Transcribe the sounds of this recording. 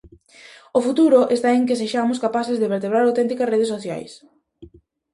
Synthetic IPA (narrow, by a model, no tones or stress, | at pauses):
ofut̪uɾʊʔest̪aeŋkɪseʃamʊskapaθɪzðeβeɾt̪eβ̞ɾaɾawt̪ɛnt̪ikɐsreð̞esoθja̰js